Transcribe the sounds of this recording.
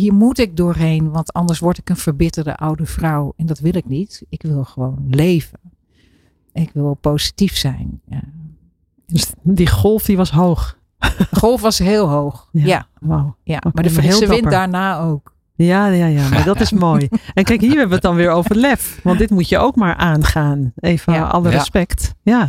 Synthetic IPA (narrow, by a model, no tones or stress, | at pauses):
hiːɹmutɪk̚dʊːrɦenʋɑntɔndəɹsʋɔɹtɪkənfəɹbɪtərdə̰ʔawdəfrawɛndɔtʋɪlˠɪknitɪkʋɪlˠxəʋoːnlejvən | ɛnɪkʋɪlˠposi̥tifsɛjn | døsdixlˠfdiʋɔsɦowx | xolˠfʋɔsɦɪːlˠɦoːxjaaʋawomaəhesədɪnpədaːnaːoːk | jajajamaɹdɔtɪsmoːjɛnkɛjkhiːəɹɦɛbəʋədɔnʋɪːɹowvəlɛfʋɑntdɪtmutjəʔoːkmaːɹʔaːnχaːneːvəɔ̰lərəspɛktja